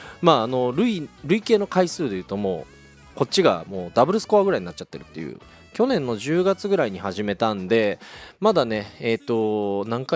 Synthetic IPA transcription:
maːno̞ɾɯ̟iɾɯ̟ike̞ːno̞kaisɨːd̪e̞jɯ̟ːt̪o̞mo̞ː | ko̞t͡ɕːiɡa̰mo̞ːd̪abɯ̟ɾɯ̟sɨ̥ko̞aɡɯ̟ɾaiɲinatt͡ɕːat̪ːe̞ɾɯ̟t̪ːe̞jɯ̰ː | kʲo̞nẽ̞nːo̞ʑɨːɡat͡sɨɡɯ̟ɾaiɲ̟ihaʑime̞t̪ãnd̪e̞mad̪ane̞et̪ːo̞nãŋka

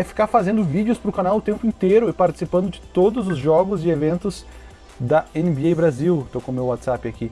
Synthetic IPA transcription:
ɛfi̥kaɾfazẽnd̪ʊvid͡ʒjʊspɾʊkanawʊt̪ẽmpʊĩt̪eɾʊɪpaɾt͡ʃi̥sipɐ̃nd̪ʊd͡ʒɪt̪od̪ʊzʊzʒɔɡʊzɪevẽnt̪ʊs | d̪ɐenɪbiejbɾaziwt̪owkõmewat̪sapɪaki

